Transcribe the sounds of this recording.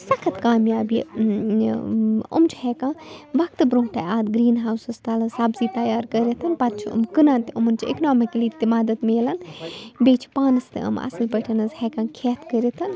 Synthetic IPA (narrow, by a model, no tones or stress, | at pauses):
sɐkʰɐt̪kaːmjaːbi | ṵmt͡ʃʰhɛkãːbɐk̚t̪ɨbɾõːŋkʈaaːd̪ɡɾiːnɦaːwsɐst̪ɐlɐsaːbzit̪ɐjaːɾkəɾʲet̪ʰɐnpɐt̪̚t͡ʃʰiṵmkɨnãːnt̪umɐnt͡ʃʰiḛknaːmikliːt̪imaːd̪ɐt̪meːlɐnbeːt͡ʃʰi̥paːnɨst̪ɐ̰mɐ̰sɨlpɐʈʰɐnɐzhɛːkãːkʰeːt̪ʰkəɾet̪ʰɐn